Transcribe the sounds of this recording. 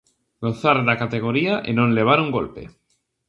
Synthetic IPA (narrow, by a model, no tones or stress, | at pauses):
ɡonθaɾðakat̪eɣ̞oɾiaʔenõnleβ̞aɾuŋɡo̰lpḛ